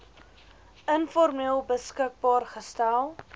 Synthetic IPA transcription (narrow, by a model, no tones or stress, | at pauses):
ənfɔrmeəlˠbəskək̚bɑːrχəstælˠ